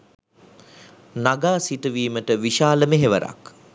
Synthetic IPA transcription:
naɡaːsiʈəʋiːməʈəʋiʃaːləmeɦeʋəɾa̰k

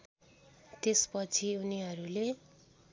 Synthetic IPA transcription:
t̪espʌt͡sʰiuniɦʌɾule

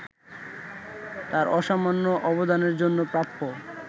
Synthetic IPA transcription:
t̪aɾɔʃamanːoʔɔbod̪ʱaneɾd͡ʑonːopɾap̪ːo

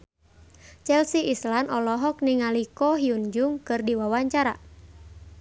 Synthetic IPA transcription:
t͡ʃɛlsiʔːslanʔɔlɔɦɔk̚niŋalikɔɦiund͡ʒʊŋkɨrdiwawaɲt͡ʃaɾa̰

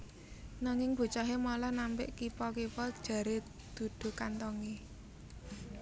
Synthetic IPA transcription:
naŋɪŋb̥ṳt͡ʃɔɦemɔlɔhnampɪ̰ʔkipɔkipɔd̥ʒ̥ä̤ɾe | d̪̥ṳd̪̥ṳkant̪ɔŋe

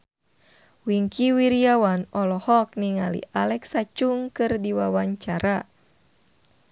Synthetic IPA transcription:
wiŋkʰiwiɾiawanɔlɔhɔk̚niŋalḭʔalɛksat͡ʃuŋkɨrdiwawaɲt͡ʃaɾʔa

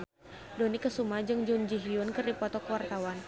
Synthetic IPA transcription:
donikəsumad͡ʒɨŋd͡ʒund͡ʒiɦiʊnkɨrdipɔt̪ɔkəwart̪awan

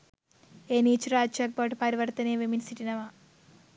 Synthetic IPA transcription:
enit͡ʃɾaːd͡ʒt͡ʃɐk̚bɐʈpɐɾiʋɐɾt̪ɐneːʋiminsiʈinɐʋa

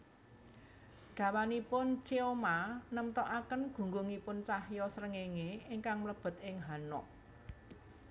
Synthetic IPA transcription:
ɡ̥a̤wanipʊnt͡ʃeomanəmt̪ɔʔakənɡ̥ṳŋɡuŋipʊnt͡ʃahjɔsəɾəŋeŋeɪŋkaŋmləb̥ə̤t̪̚ɪŋɦanɔ̰ʔ̚

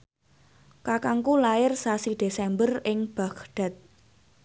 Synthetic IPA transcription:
kakaŋkulaɪrsasid̪̥e̤sɛmbərɪŋb̥a̤kɖ̥a̤t̪̚

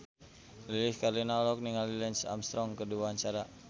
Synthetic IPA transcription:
liliskarlinalɔk̚niŋalilɛnsa̰mst̪ɾɔŋkəduaaɲt͡ʃaɾa

